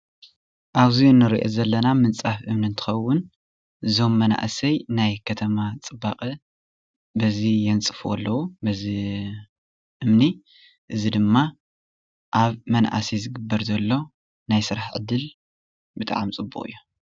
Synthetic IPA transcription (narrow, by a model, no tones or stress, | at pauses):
ʔaβziɨnːɨɾiʔozɐlːɐnamɨnt͡sʼafʔɨmnint̪ʰɨ̥xɐwːʊn | ɨzo̞mːɐna̰ʔsɐjnajkʰɐt̪ʰɐmat͡sʼɨbaqʼɐ | bɐzijɛnt͡sʼɨfɐ̰lːɐwubɐzi | ʔɨmni | ʔɨzid̪ɨmːa | ʔaβmɐnʔa̰sizɨɡɨbːɐɾzɐlːo̞ | najsɨɾaħʕɨ̰d̪ːɨl | bɨt̪ʼʕa̰mt͡sʼɨbuχʼxʼɨ̰jːu